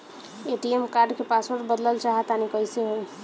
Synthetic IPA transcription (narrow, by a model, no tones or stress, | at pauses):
eʈiemkaɾɖkepaspoɾʈbəd̪ləlt͡ʃaɦɛt̪anikəjseɦo